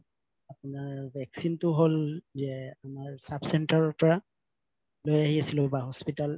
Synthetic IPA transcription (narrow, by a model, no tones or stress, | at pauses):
apʊnaɹbʱɛksintʊɦolzɛamaɹsabsɛntaɹɔɹpɔɹa | lojaɦiasilʊbaɦɔspital